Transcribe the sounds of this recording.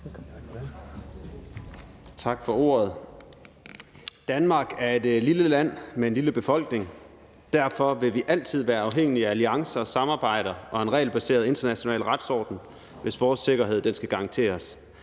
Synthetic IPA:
t͡sʰɑ̈ɡ̥fɒ̽o̝̰ːɐð̞ˠ | d̥ænmɑ̈ːɡ̥æɐe̝d̥liləlæn̰mee̝nliləb̥e̝fɒ̽l̰ɡ̥ne̝ŋ | d̥æɐ̰fɒ̽ʋe̝ʋiʔæl̰t͡sʰið̞̰ˠʋæːɐɑ̈ʊɦeŋ̰iææliɑ̈ŋsɐɒ̽sɑ̈mɑ̈ːb̥ɑ̈ɪ̰ɾ̥ɐʔɒ̽e̝nʁɛ̰ːlb̥æse̝̰ːɐðˠe̝nd̥ɐnæɕo̝nɛ̰ːlʁɑ̈d̥sɒ̰ːd̥n̩ | ʋe̝sʋɒːsːe̝ɡ̥ɐɦe̝ð̞̰̥ˠensɡ̥æɡ̥ɑ̈ŋt͡sʰe̝̰ːɐs

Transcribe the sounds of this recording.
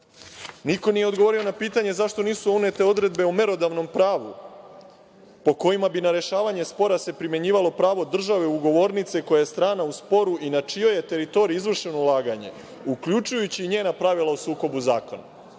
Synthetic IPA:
niko̞nije̞od̪ɡoʋo̞ɾio̞napiːt̪aɲe̞zaʃt̪o̞niːsuune̞t̪e̞o̞d̪ɾe̞d̪beome̞ɾo̞d̪aʋno̞mpɾaːʋu | po̞ko̞jimabinaɾe̞ʃaːʋaɲe̞spo̞ɾase̞pɾimje̞ɲiːʋalo̞pɾaːʋo̞d̪r̩ʒaʋe̞uɡo̞ʋo̞ːɾnit̪se̞ko̞jajest̪ɾaːnauspo̞ɾuʔinat͡ʃijo̞je̞t̪e̞ɾit̪o̞ɾiizʋr̩ʃe̞nulˠaːɡaɲe̞̰ | ukʎut͡ʃujut͡ɕiːɲe̞ːnapɾaʋilˠausuːko̞buzaːko̞na

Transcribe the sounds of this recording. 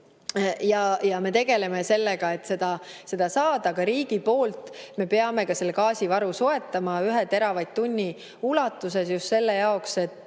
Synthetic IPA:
jɑjɑme̞t̪e̞ɡ̥e̞le̞me̞se̞lːeɡ̥ɑe̞t̪ːse̞d̪̥ɑse̞d̪̥ɑsɑːd̪̥ɑkɑɾiːɡ̥ipo̞ːlt̪ˑme̞peɑme̞kɑse̞lːekɑːsʲivɑɾuso̞e̞t̪ːˑɑmɑyɦet̪e̞ɾɑvɑjd̪̥̚t̪unʲːi | ulɑt̪ːˑuse̞sjust̪se̞lːejɑo̞kse̞t̪ˑː

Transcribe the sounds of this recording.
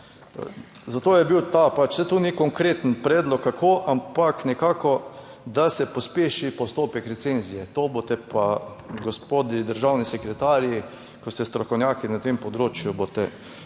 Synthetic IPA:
zat̪oːjɛbiwt̪apat͡ʃsɛt̪unikɔŋkɾeːt̪ənpɾɛːd̪lɔkːakʰoːʔampaknɛkaːkɔ | d̪asɛpospeːʃipɔst̪oːpɛkɾɛt̪senzijɛt̪obot̪ɛpaɡospod̪id̪əɾʒawnisɛkɾɛt̪aːɾji | kɔst̪ɛst̪ɾɔkɔwnʲjaːkinat̪empɔd̪ɾoːt͡ʃjubot̪ɛ

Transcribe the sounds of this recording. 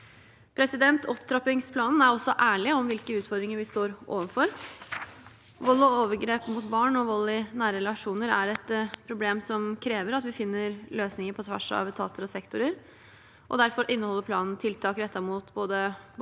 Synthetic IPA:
pʰɾɛsɪd̪ɛnt̪ʰɔpt̪ʰɾɑpɪŋspʰlɑːnn̩æɾɔsːɔʔæːɭɪɔmʋɪlkəʉːt̪fɔɾd̪ɾɪŋəɾʋɪst̪oːɾʔo̰ːʋənfɔɾ | ʋɔlːɪoːʋəɾɡɾeːpmuːt̪bɑːɳɔʋɔlːɪnæːɾɾɛlɑʂuːnəɾæ̰ɾɛt̪pʰɾʊbleːmsɔmkʰɾeːʋəɾɑt̪ʋɪfɪnːəɾløːsnɪŋəɾpʰɔt̪ʰʋæ̰ʂɑ̰ʋt̪ʰɑ̰ːt̪əɾɔsɛkt̪ʊɾəɾ | ʔɔ̰d̪æɾfɔɾʔɪnːəhɔlːəɾpʰlɑːnn̩t̪ʰɪlt̪ʰɑːkɾɛt̪ʰːɑɾmuːt̪boːd̪əb

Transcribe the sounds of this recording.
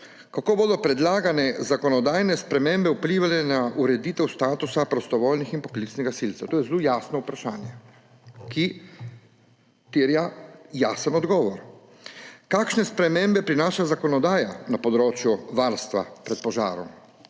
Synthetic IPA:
kakoːboːd̪ɔpɾɛd̪laːɡanɛzakɔnɔd̪aːjnɛspɾɛmembɛupliːʋalɛnauɾɛd̪iːt̪ɛwst̪aːt̪usapɾɔst̪ɔʋoːlnixinpɔ̥klit̪snɛɡasilt̪ɛwt̪oːjɛzlojaːsnɔupɾaʃaːnjɛ | ki | t̪eːɾjajaːsənɔd̪ɡɔːʋɔɾ | kaːkʃnɛspɾɛmembɛpɾinaːʃazakɔnɔd̪aːjanapɔd̪ɾoːt͡ʃjuʋaɾst̪ʋa̰pɾɛt̪̚pɔʒa̰ːɾɔ̰m

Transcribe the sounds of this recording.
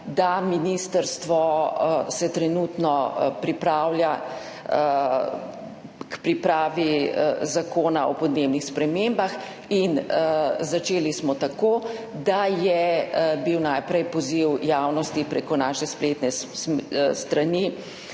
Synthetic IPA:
d̪aminiːst̪əɾst̪ʋɔsɛt̪ɾɛnut̪nɔpɾipɾaːwlʲja | kpɾipɾaːʋizakoːnaɔpɔd̪neːbnixspɾɛmembax | in | zat͡ʃeːlismɔt̪akoː | d̪ajɛbiwnajpɾɛjpɔziwjaːwnɔst̪ipɾekɔnaːʃɛsplet̪nɛ | st̪ɾani

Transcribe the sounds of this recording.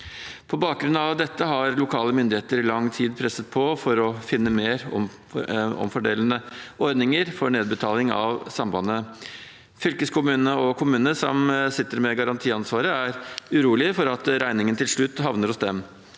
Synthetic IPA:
pʰɔbɑːk̚ɡɾʉnɑʋd̪ɛt̪ːəɦɑɾlʊkʰɑːləmʏnd̪ɪeːt̪əɾɪlɑŋːt̪ʰiːd̪pʰɾɛsət̪̚pʰɔfɔɾɔfɪnːəmeːɾɔ̰ | ɔ̰mfɔɖeːlənəɔɾd̪nɪŋəɾfɔɾɳeːd̪bət̪ʰɑːlɪŋɑ̰ʋsɑmbɑnə | fʏlkəskʰʊmʉːnənəɔkʰʊmʉːnəsɔ̰msɪt̪ːəɾmɛɡɑɾɑnt̪ʰiːɑnsʋɑːɾəæɾʉɾuːlɪfɔɾɑt̪ɾæɪnɪŋənət̪ʰɪlʂɭʉt̪ːɦɑʋnəɾɔsd̪ɛm

